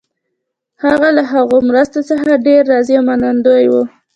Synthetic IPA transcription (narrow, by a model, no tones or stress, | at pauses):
haɣalaɦaɣomɾəst̪ot͡səxaɖeɾːɑzjamanand̪ojwu